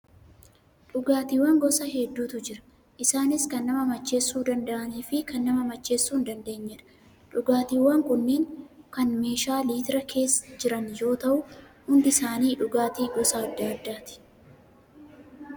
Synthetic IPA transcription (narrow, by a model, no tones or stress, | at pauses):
ᶑʊɡaːt̪iːwɐŋɡɔsɐhɛd̪ːuːt̪ʊd͡ʒɪɾɐ̥ | ʔɪsaːnɪskɐnːɐmɐmɐt͡ʃːe̞ːsːuːd̪ɐnd̪ɐʔɐniːfɪkɐnːɐmɐmɐt͡ʃːe̞ːsːuːnd̪ɐnd̪e̞ːɲːɛᶑɐ̥ | ᶑʊɡaːt̪iːwːɐŋkʊnːeːŋkɐnme̞ːʃaːliːt̪ɪɾɐkʰe̞ːsd͡ʒɪɾɐnjo̞ːt̪ɐʔʊhʊnd̪ɪsaːniːᶑʊɡaːt̪iːɡɔsɐːd̪ːaːɐd̪ːaːt̪ɪ̥